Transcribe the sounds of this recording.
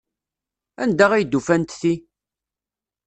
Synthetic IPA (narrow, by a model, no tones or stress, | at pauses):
ænd̪æʁæjd̪ːufænt̪θi